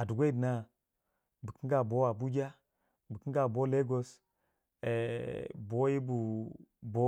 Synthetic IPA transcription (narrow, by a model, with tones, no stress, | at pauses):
a˨du˨ɡʷe˦˨dna˦ | bu˨ki˦ɡa˨bo˦a˨bu˦d͡ʒa˦ | bu˨ki˦ɡa˨bo˦le˦ɡo˦s | e˨bo˨˦ji˦bu˨bo˦